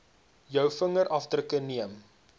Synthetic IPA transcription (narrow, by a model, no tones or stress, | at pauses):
jœwfəŋəɾʔɐfdrəkəniəm